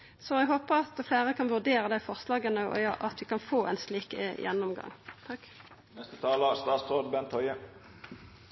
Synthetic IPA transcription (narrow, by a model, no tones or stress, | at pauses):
sɔɛɡɦoːpəʁɑt̪fleːʁəkʰɑnʋʉʁd̪eːɾəd̪æɪfɔʁslɑːɡənəɔ̰ɑʔɑt̪ʋɪkɑnfoːʔɛ̰nsliːkjɛ̰nːɔmɡɑ̰ŋːt̪ʰɑk | nɛst̪ət̪ʰɑːləst̪ɑːt̪sɾoːd̪bɛnt̪ʰːɔʏə